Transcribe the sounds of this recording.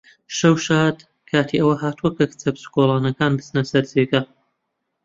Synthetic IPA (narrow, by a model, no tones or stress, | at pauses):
ʃɐwʃaːd̪ | kʰaːt̪ʰiʔɐwɐɦaːt̪uwɐkʰɐkɨ̥t͡sɐbsɨ̥koːlˠɑːnɐkaːnbɨsnɐsɐɾzekɐ